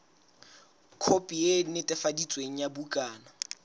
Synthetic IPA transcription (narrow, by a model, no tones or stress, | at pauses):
kʰopʼienɪtʼɛfadit͡sʼweŋ̩jabukʼaːna